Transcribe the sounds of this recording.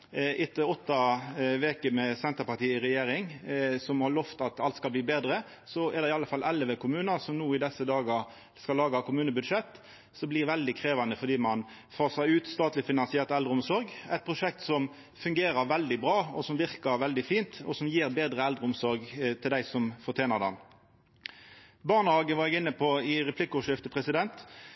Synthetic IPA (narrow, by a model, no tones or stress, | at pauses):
ʔɪt̪ʰːəɔt̪ːɑʋeːkəmɛsɛnt̪əɾpɑt̪iːəɪɾɛjeːɾɪŋsɔmhɑɾɭɔft̪ɑt̪ɑlt̪skɑlb̪iːbeːd̪ɾə | sɔɛɾd̪ɛɪɑlːəfɑlʔɛlːəʋɛkʰʊmʉːnəsɔmnuːɪd̪ɛsːəd̪ɑːɡɑ | skɑlːɑːɡɑkʰʊmʉːnəbʉd̪ʂɛt̪ː | sɔblɪʋɛld̪ɪkʰɾeːʋɑnd̪əfɔd̪iːmɑn | fɑːʁsæɪʉːt̪st̪ɑːt̪lɪfɪnɑnsɪɛʁt̪ɛld̪ʁəʊmsɔɾɡɛɪt̪̚pʰʁʊʂɛk̚t̪sɔm | fʉŋɡeːɾəʋɛld̪ɪbʁɑːɔsɔmʋɪʁkəɾʋɛld̪ɪfiːnt̪ɔsɔmjiːʁbeːd̪ʁəɛld̪ʁɾəʊmsɔɾɡt̪ʰɪld̪æɪsɔmfɔʁt̪ʰjeːnəʁd̪ɑ̰m | bɑːʁnəhɑːɡəʋɑɾɛɡɪnːəpʰɔɪɾɛpʰlɪkəʊʂɪft̪əpʰʁɛsɪd̪ɛnt̪